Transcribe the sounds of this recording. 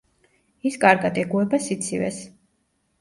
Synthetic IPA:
iskʼaɾɡad̪ɛɡuɛbasit̪sʰivɛ̰s

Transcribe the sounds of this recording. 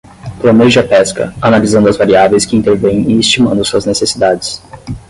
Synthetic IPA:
plõneʒɪɐpɛskɐ̰analizɐ̃nd̪ʊɐzvaɾiavẽjskɪĩnt̪eɾvẽj̃ɪːst͡ʃimɐ̃nd̪ʊsuɐznesesid̪ad͡ʒɪs

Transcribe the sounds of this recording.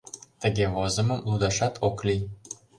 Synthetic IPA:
t̪ə̆ɡʲeβozə̆mə̆mlud̪ɑʃɑt̪ʰoklʲi

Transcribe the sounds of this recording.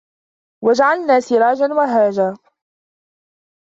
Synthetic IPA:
wad͡ʒaʕalnaːsɪɾˤɑːd͡ʒanwaɦaːd͡ʒaː

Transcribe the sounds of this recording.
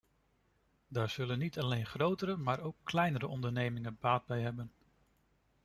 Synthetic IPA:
daːɹz̥ɵlənːitʰɑlejnχrowtəɾəmaːɹowkːlɛjnəɾəʔɔndəɹnejmɪŋənbaːd̚bɛjɦɛbən

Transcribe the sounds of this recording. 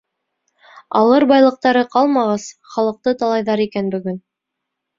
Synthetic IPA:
ɑ̰lˠɤɾbɑjlˠɤ̆q̚t̪ɑɾɤqɑlˠmɑʁɑsχɑlˠɤ̆q̚t̪ɤt̪ɑlˠɑjðɑɾikænbɵ̆ɡɵn

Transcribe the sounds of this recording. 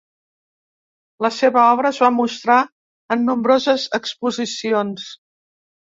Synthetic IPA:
ləseβəɔβɾəːzβamust̪ɾa | ənːumbɾozəzəkspuzisions

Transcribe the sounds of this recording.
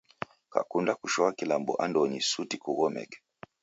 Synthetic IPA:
ka̰kundakuʃɔakilambɔ̰ʔandɔɲisutikuɣɔmɛ̰kɛ̥

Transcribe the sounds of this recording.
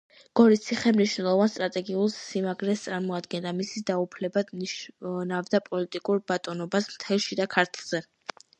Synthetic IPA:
ɡ̥ɔɾit̪sʰiχɛmniʃnɛlˠɔvanst̪ʼɾat̪ʼɛɡiulˠsːimaɡɾɛst̪sʼaɾmɔad̪ɡɛnd̪amisisd̪aupʰlɛbad̪ | navd̪apʼɔlit̪ʼikʼuɾbat̪ʼɔnɔbasmt̪ʰɛlˠʃid̪akʰaɾt̪ʰlˠz̥ɛ

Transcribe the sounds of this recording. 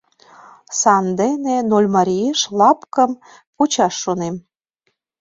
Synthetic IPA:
sɑnd̪enenolʲmɑɾʲieʃlɑpkəm | put͡ɕɑʃːonem

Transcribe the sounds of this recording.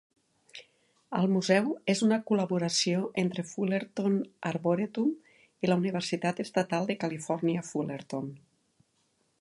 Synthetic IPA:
əlˠmuzɛwezunəkuləβuɾəsioʔent̪ɾefuleɾt̪onaɾβoɾet̪um | iləuniβ̞əɾsit̪at̪əst̪at̪alˠd̪əkalifɔɾniəfuleɾt̪on

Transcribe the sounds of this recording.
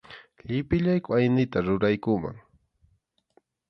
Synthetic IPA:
ʎɪpɪʎajkʊajnɪt̪aɾʊɾajkʊma̰ŋ

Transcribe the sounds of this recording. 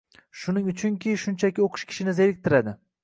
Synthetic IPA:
ʃʊnɪŋʊt͡ʃʰʊŋkʲʰɪʃʊnt͡ʃʰakʲɪoqʰɨ̥ʃkʲʰɪ̥ʃɪnɪze̞ɾɪk̚ʲt̪ʰɪɾad̪ɪ

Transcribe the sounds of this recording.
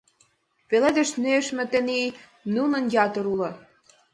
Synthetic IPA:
peled̪ə̆ʃnøʃmĕt̪ĕni | nunə̆njɑt̪ɤ̆ɾulɤ̆

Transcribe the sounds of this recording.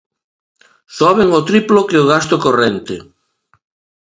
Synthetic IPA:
soaβeŋot̪ɾiplokeoɣast̪okorent̪ḛ

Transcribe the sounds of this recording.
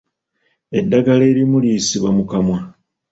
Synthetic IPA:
e̞dːaɡale̞ːɾimulisiβamukamwa

